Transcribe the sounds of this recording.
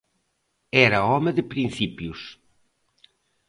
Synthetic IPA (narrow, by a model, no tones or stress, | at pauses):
ɛɾɐɔmɪðɪpɾĩn̟θipjus